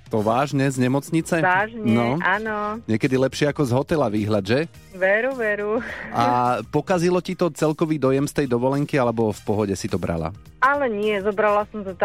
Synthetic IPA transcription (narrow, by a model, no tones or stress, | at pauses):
t̪ɔʋaːʒɲɛzɲɛmɔt͡sɲit͡sɛaːʒɲnɛɔanɔɲɪɛkɛd̪ilɛpʃɪɛakɔzɦɔt̪ɛlaʋiːɦlad̪ʒɛ | ʋɛɾuʋɛɾuʔapɔkazilɔcit̪ɔt͡sɛlkɔʋiːd̪ɔjɛmst̪ɛjd̪ɔʋɔlɛŋkialɛbɔfpɔɦɔɟɛsit̪ɔbɾa̰la̰ | alɛɲɪɛzɔbɾalasɔmt̪at̪